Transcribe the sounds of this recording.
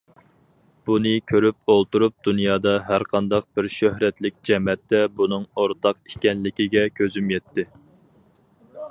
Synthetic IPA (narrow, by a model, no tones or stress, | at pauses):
b̥unɨkʲʰøɾyp̚olˠt̪uɾup̚d̪unjɑːd̪ɑɦæɾqʰɑnd̪ɑq̚b̥ɪɾʃøhɾɛt̪lɪk̚ʲd͡ʒɛmɛt̪ːɛbunɨŋoɾt̪ʰɑq̚i̥kʲɛnlɪkʲiɡʲɛkʲʰøzymjɛt̪ːɪ